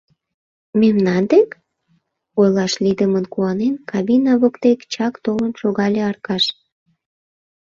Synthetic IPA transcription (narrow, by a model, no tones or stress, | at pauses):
memnɑnd̪ek | ojlɑʃlid̪əmənkuɑnenkɑβinɑβokt̪ekt͡ɕɑkt̪olənʃoɣɑlʲeɑrkɑʃ